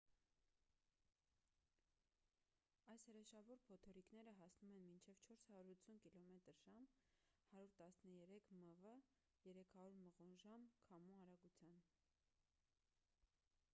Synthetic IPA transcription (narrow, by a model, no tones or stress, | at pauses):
ɑjshəɾɛʃɑvɔɾpʰɔt̪ʰɔɾiknɛɾəɦɑsnumɛnmint͡ʃʰɛvt͡ʃʰɔɾshɑɾuɾut͡sʰunkilɔmɛt̪əɾʒɑm | hɑɾjuɾt̪ɑsnəjɛɾɛkʰməvə | jɛɾɛkʰɑɾuɾməʁɔnʒɑmkʰɑmuɑɾɑɡut͡sʰjɑn